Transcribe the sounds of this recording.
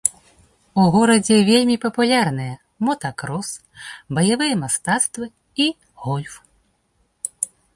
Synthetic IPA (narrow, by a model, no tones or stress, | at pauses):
uɣɔɾɐd͡zʲɛvʲelʲmʲipɐpulʲarnɨjɛ | mɔt̪ɐkɾɔs | bɐjavɨjɐmast̪at̪st̪vɨ | i | ɣɔlʲf